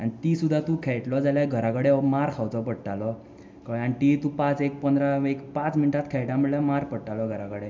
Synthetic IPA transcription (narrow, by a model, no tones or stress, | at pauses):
anit̪isud̪ʱːat̪ũkʰeɭʈlɔd͡zaljaɡʱəɾakəɽemaɾkʰawt͡sɔpəɽʈalɔ | kaanit̪it̪ũpat͡sek̚pənd̪ɾaekpãt͡sminʈat̪kʰɛɭʈjam̤əɭljamaɾpəɽʈalɔɡʱəɾakəɽe